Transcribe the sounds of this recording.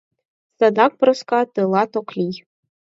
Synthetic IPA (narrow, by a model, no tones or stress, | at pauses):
sad̪ak̚ʷʼbrɨskʼatʼɨlˠatʰokʷʰlʲij